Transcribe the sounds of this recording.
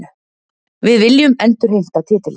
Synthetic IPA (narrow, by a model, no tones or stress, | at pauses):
vɪðvɪljʏmɛnt̪ʏɾ̥ɦejŋ̥t̪at̪ʰɪːt̪ɪl